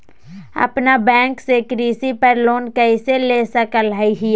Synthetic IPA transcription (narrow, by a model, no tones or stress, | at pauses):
ɐ̰pnabɛ̃ːŋksekɾiːsipəɾloːnkəiseleːsəkəlɦəiɦi